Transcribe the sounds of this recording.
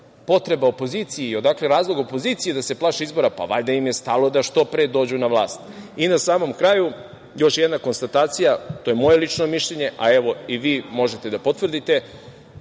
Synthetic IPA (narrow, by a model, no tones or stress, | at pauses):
po̞t̪ɾe̞baopo̞ziːt̪sijeio̞d̪akle̞ɾaːzlˠoɡo̞po̞ziːt̪sijed̪ase̞plˠaːʃeizbo̞ɾapa̰ʋa̰ʎd̪aimje̞st̪alˠo̞d̪aʃt̪o̞pɾeːd̪o̞ːd͡ʑunaʋlˠa̰ːst̪inasaːmo̞mkɾaju | jo̞ʃjed̪nako̞nst̪at̪aːt̪sijat̪ojemo̞je̞lˠit͡ʃno̞miʃʎeɲe̞ʔae̞ʋo̞iʋiːmo̞ʒet̪e̞d̪apo̞t̪ʋrd̪it̪e̞